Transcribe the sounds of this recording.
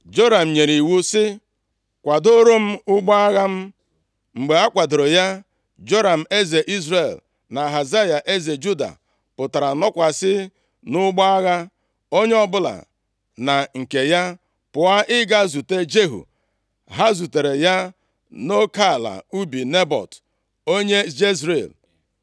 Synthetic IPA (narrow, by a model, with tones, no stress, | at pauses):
d͡ʒo˦ɾa˨m̩˨ɲe˨ɾi˨wu˦sɪ˦ | kʷa˨do˦ɾo˦m̩˦ʊ˦ɡ͡ba˦a˦ɣa˦m̩˦ | ŋ͡m̩˨ɡ͡be˨a˦kʷa˨do˨ɾo˨ja˦ | d͡ʒo˦ɾa˨m̩˨e˦ze˨ʔi˦zɾe˨l | na˨ɦa˨za˦ja˨ʔe˦ze˨d͡ʒu˦da̰˨ | pʊ˨ta˨ɾa˨nɔ˦kʷa˨sɪ˦ | nʊ˦ɡ͡bɔ˦a˦ɣa˦ | o˦ɲe˦ɔ˦bʊ˦la̰˨ | na˨ŋ̩˨ke˨ja˦ | pʊ˨a˦ʔɪ˦ɡa˦zu˨te˦d͡ʒe˦ɦṵ˨ | ɦa˦zu˨te˨ɾe˨ja˦ | no˦ka˦˨la̰˨u˦bi˨ne˦bɔ̰˨t | o˦ɲe˦d͡ʒe˦zɾe˨l